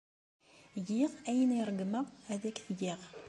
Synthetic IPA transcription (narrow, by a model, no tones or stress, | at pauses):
jiʁæjəniɾˤəɡməʁæðækθɡiʁ